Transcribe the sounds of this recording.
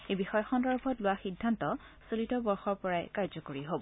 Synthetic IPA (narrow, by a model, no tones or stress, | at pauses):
ebixɔjɔxɔndɔɹbʱɔtlʊwaxidʱːantɔ | solitɔbɔɹxɔɹpɔɹajkaɹzɔkoɹiɦobɔ